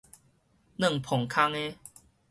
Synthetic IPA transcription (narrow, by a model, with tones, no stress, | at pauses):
nə̃˥˨ŋpʰɔ˨˩ŋkʰa˦˥ŋe˦